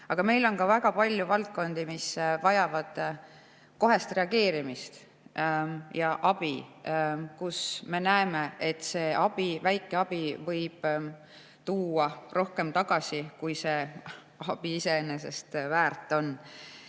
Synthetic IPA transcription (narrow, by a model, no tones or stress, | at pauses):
ɑɡ̥ɑme̞jlo̞nkɑvæɡ̥ɑpɑlʲjuvɑlt̪̚ko̞nd̪imisvɑjɑvɑd̪̥ | ko̞ɦe̞st̪re̞ɑɡe̞ːɾimist̪ | jɑʔɑb̥i | kusme̞næeme̞ʔet̪ːˑse̞ːʔɑb̥ivæjkːˑe̞ɑb̥ivɤ̞jb̥ | t̪uːɑrʔo̞hke̞mt̪ɑɡ̥ɑsikujse̞ | ɑb̥iise̞ene̞se̞̰st̪væːrt̪ːˑo̞n